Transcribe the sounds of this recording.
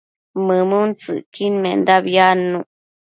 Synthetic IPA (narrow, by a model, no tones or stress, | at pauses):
mɨmɨnt͡sɨ̰ʔkinmend̪aβjanːuʔ